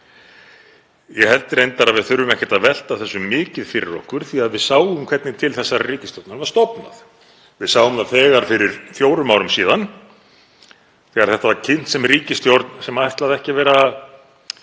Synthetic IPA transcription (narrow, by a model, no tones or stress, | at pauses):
jɛhɛlt̪ɪɾejnt̪aɾaðvɪðθʏɾvʏmɛhcɛ̥ɾ̥t̪aðvɛl̥t̪aðθɛsːʏmːɪːcɪðfɪɾɪrɔ̰hkʏɾ̥θiaðvɪðsaːwʏmkʰvɛt̪nɪt̪ʰɪlθɛsːaɾriːcɪst̪owt̪anvaɾ̥st̪ɔpna̰θ | vɪðsawʏmðaθɛːɣaɾ̥fɪɾɪɾ̥θjoːwɾʏmaːwɾʏmsiːðan | θɛɣaɾθɛht̪avaɾcʰɪn̥t̪sɛmriːcɪst̪jowɾt̪nsɛmajht̪laðɛhcɪvɛːɾa